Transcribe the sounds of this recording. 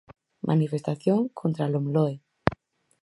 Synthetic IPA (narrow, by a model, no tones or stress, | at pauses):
mʔa̰nifest̪aθjoŋkʰont̪ɾalomloe